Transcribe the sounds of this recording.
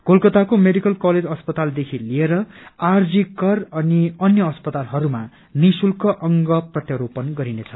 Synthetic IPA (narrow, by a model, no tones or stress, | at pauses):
kolkʌt̪akomeɖikʌlkʌled͡zʌspʌt̪ald̪ekʰilieɾʌard͡zikʌrʌniʌnjʌːspʌt̪alɦʌɾuma | nisulkʌʔʌŋɡʌprʌt̪jʌɾopʌnɡʌɾinet͡sʰʌ̥